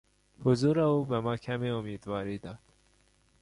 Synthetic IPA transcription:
hʊzuːɾæuːbæmɑːkʰæmiomiːd̪vɑːɾiːd̪ɑ̥

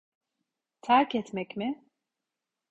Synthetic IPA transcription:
t̪ʰæɾcɛt̪mɛcmɪ

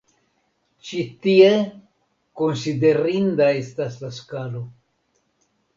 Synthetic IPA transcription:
t͡ʃit̪ie | konside̞ɾind̪ae̞staslaskalo̞

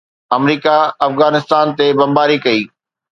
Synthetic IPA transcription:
ɐmɾiːkaɐfɣaːnɪst̪aːnt̪ebɐ̃mbaːɾikɐiː

